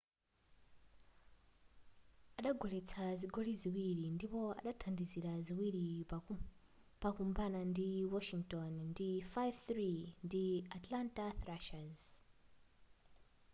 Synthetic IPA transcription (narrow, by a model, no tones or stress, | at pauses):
aɗaɡʱɔlɛt͡sʰaziɡʱɔliziwiɾindipɔa̰ɗatʰandiziɾaziwiɾi | pakumbanandiwɔʃiŋktɔnndifajvθɾindiatlantaθɾaʃaz